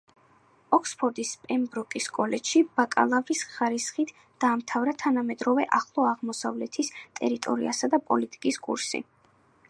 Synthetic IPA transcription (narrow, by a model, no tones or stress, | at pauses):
ɔkʰspʰɔɾd̪ispʼɛmbɾɔkʼiskʼɔlɛt͡ʃʃib̥akʼa̰lˠavɾisχaɾisχit̪ʰ | d̪̥aːmt̪ʰavɾat̪ʰanamɛd̪ɾɔvɛʔaχlˠɔaʁmɔsa̰vlɛt̪ʰist̪ʼɛɾit̪ʼɔ̰ɾḭa̰sad̪apʼɔ̰lit̪ʼi̥kʼiskʼṵɾsḭ